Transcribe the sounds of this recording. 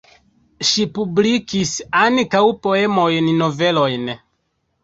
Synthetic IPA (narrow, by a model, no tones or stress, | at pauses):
ʃipublikisankawpo̞e̞mo̞jnːove̞lo̞jn